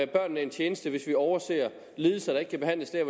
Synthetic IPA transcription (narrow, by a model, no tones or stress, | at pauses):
b̥ɶɐ̰nːæɐe̝nt͡ɕʰeːnəsd̥əʋe̝sʋiɒʊɐse̝̰ːɐ | liːð̩ˠsɐd̥ɑ̈e̝ɡ̥kʰæb̥e̝ɦæn̰ləsd̥æɐ̰ʋ